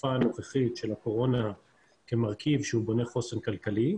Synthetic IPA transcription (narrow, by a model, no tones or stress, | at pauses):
faːno̞χeχitʃe̞lako̞ʁo̞na | ke̞maʁkivʃeubo̞ne̞χo̞senkalkali